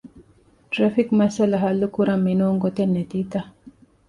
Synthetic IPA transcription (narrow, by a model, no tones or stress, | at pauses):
ʈɾɐfikmɐsɐlɐɦɐlːukuɾɐmːinoːŋɡot̪enːet̪iːt̪ɐ